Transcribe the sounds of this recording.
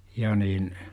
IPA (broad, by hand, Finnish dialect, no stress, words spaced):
jɑ niːn